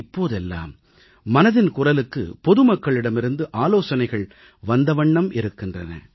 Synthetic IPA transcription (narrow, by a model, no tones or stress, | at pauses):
ɪpːoːðɛlːa̰ːmː | ɐnɐðɪnkʊrɐlɯkːɯ̰pɔðɯmɐkːɐɭɪɽɐmɪɾɯnd̪ɯʔaːloːsɐnɐɪɣɐɭ | ʋɐnd̪ɐʋɐɳːɐmɪɾɯkːɪndrɐnɐ̰